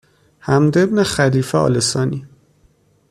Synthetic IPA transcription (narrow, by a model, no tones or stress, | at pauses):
hæmd̪ebnexæliːfeɒ̰ːlesɒːni